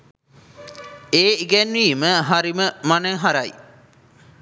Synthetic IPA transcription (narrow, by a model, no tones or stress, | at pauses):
eːiɡɛnʋiːməɦaɾiməmaneɦaɾaj